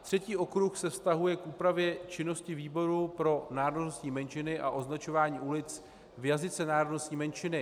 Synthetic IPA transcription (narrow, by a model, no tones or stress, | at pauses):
t̪r̝̥ɛciːʔo̞kɾuxsɛfst̪aɦujɛkʔuːpɾavjɛt͡ʃɪno̞scɪviːbo̞ɾupɾo̞naːɾododnostɲiːmɛnt͡ʃɪnɪʔaʔo̞znat͡ʃo̞vaːɲiːʔulɪt͡s | vjazɪt͡sɛnaːɾodno̞st̪ɲiːmɛnt͡ʃɪnɪ